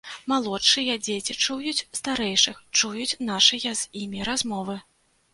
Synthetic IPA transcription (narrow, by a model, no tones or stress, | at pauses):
malˠɔtʂɨjɐd͡zʲet͡sʲit͡ʂujut͡sʲst̪aɾɛjʂɨxt͡ʂujut͡sʲnaʂɨjɐzʲimʲiɾazmɔvɨ